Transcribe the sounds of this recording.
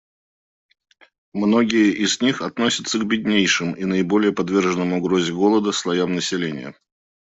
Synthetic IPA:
mno̞ɡʲɪjəʔɪzʲnʲixɐt̪nosʲət̪səɡbʲɪd̪ʲnʲejʂɨminəɪbo̞lʲɪjəpɐd̪vʲe̞rʐənːəmʊɡɾozʲɪɡo̞lˠəd̪əslˠɐjamnəsʲɪlʲenʲɪ̰jə̰

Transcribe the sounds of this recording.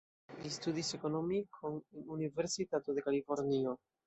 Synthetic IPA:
listudise̞ko̞nomikʰonunive̞ɾsitatode̞kalifo̞ɾnio̞

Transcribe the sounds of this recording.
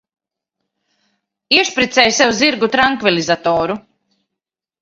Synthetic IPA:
iʃpɾit̪sɛjsɛwziɾɡut̪ɾaŋkvilizat̪ɔːɾu

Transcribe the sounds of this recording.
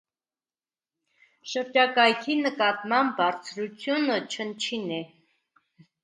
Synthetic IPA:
ʃəɾd͡ʒɑkɑjkʰinəkɑt̪mɑmbbɑɾt͡sʰɾut͡sʰjunət͡ʃʰənt͡ʃʰinɛ

